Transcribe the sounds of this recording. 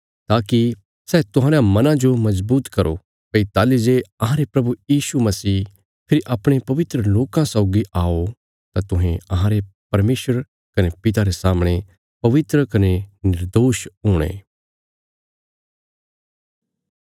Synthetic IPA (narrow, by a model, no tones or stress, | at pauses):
t̪aːki | sɛːt̪ʊɦãːɾãmɐnãd͡ʒomɐzbuːt̪kɐɾo̰ | pɐit̪aːlid͡ʒeɐɦãɾepɾɐbujiːsumɐsiː | pʰɪɾiʔaːpɽ̃epɐʋɪt̪ɾəloːkãsaʊɡiʔaːo | t̪at̪ʊɦẽɐɦãɾepɐɾmeːʃəɾ | kɐnepɪt̪aɾesaːmɽ̃e | pɐʋɪt̪ɾəkɐnenɪɾd̪oːʃɦoːɽ̃ḛ̃ː